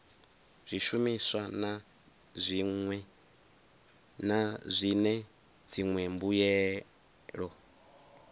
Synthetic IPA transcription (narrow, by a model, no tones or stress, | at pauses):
z̥ʷiʃumisʷana | zʷiɛ | nazʷinɛ | d͡zʰiŋwɛmbujɛ | ɺɔ